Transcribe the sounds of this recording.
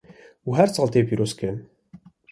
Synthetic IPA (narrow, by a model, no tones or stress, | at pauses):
uɦæɾsɑːlt̪ʰepiɾoskən